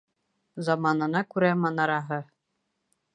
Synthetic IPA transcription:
zɑmɑnɤ̆nɑkʉɾæmɑnɑɾɑɦɤ

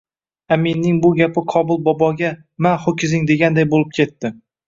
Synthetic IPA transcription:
aminːɪŋbʊɡʲapʰɪqʰɒbʊlˠbɒbɒɡʲa | maχokʲɪzɪŋd̪e̞ɡʲand̪ajbolɪp̚kʲʰe̞t̪ːɪ

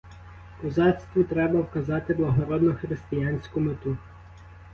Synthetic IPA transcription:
kɔzɑt̪st̪ʋɔt̪ɾɛbɐwkɐzɑt̪ɪblˠɐɦɔɾɔd̪nɔxɾɪst̪ɪjanʲsʲkʊmet̪u

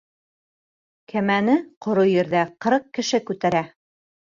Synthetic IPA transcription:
kʰæmænɘqʰŏɾujɘ̆ɾðæqɤ̆ɾɤq̚kːɘ̆ʃɘkʉt̪æɾæ

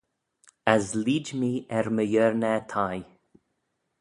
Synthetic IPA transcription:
asliːd͡ʒmiːɛɾməjɛɹnɛt̪ʰaj

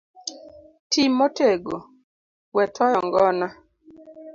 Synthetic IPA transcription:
timːoteɡo | wɛt̪ʰɔjɔŋɡɔna

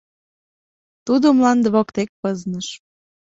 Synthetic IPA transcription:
t̪ud̪omlɑnd̪əβokt̪ek̚pɤznəʃ

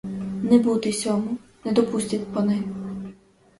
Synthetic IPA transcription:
nɛbut̪ɪsʲɔmunɛd̪ɔpusʲtʲit̪ʲpɔnɪm

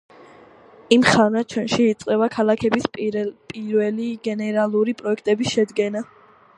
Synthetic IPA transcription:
imχanat͡ʃʰwɛnʃiːt̪sʼqʼɛbakʰalˠakʰɛbispʼiɾvɛliɡɛnɛɾalˠuɾipʼɾɔɛkʰt̪ʼɛbisʃɛd̪ɡɛna

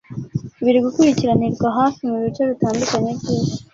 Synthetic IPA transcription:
βiɾiɡukuɾiciɾaniɾɡwaɦaːfimuβit͡ʃeβitaːndukaɲe̞βɟiːze

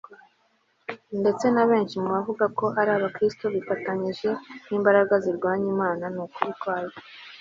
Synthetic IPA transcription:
nde̞t͡se̞naβe̞ːnʃimuβavuɡako̞ʔaɾaːβakɾistoβifataɲiʒe̞niːmbaɾaɡaziɾɡwaːɲimaːnanukuβitwaːja

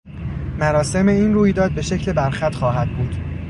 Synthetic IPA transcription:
mæɾɒːse̞me̞iːnruːjd̪ɒːd̪̚be̞ʃe̞cʰle̞bæɾxæt̪xɒːɦæd̪̥̚buːd̪̥

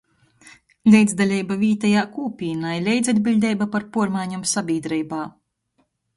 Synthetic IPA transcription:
lʲɛjd̪zd̪alʲɛjbavʲiːt̪ajaːkuːpʲiːnajlʲɛjd̪zad̪̚ʲbʲilʲd̪ʲɛjbapaɾpuɔɾmaːɲumsabʲiːd̪ɾɛjbaː

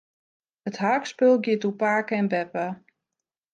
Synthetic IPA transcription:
əthaːkspølˠɡjɪtupaːkəɛnbɛpə

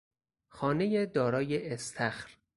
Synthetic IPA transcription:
xɒːne̞jed̪ɒːɾɒːjeʔːst̪ʰæxɾ

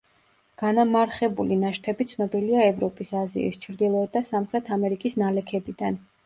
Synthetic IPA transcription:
ɡ̥anamaɾχɛbulinaʃt̪ʰɛbit̪sʰnɔbiliaɛvɾɔpʼisazḭḭst͡ʃʰɾd̪ilˠɔɛt̪̚d̪asamχɾɛt̪ʰamɛɾikʼisnalɛkʰɛbid̪̥an

